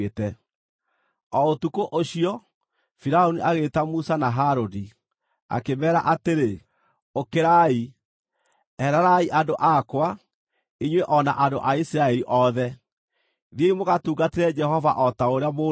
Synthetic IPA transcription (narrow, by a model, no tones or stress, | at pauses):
etɛ | ɔotukoʔoɕiɔ | fiɾaoniʔaɣetamusanaɦaɾodi | a̰kemɛːɾa̰ʔateɾe | okeɾai | ɛɾaɾaiʔandoʔakwa | iɲweʔɔna̰ʔando̰ʔaisiɾaɛɾiʔɔðɛ | ðieimoɣatuːɡateɾɛd͡ʒɛɦɔva̰ʔɔtaoɾeamo